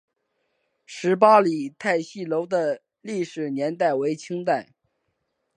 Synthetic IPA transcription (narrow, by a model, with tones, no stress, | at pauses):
ʂɻ̩˧˥p̬a˥li˨˩t̪ʰa˥˧ɪɕi˥˩lo˧˥ʊd̪ə˧ | li˥˩ʂɻ̩˨˩njɛ˧˥nt̪a˥˩ɪwe˧˥ɪt͡ɕʰi˥ŋt̪a˥˩ɪ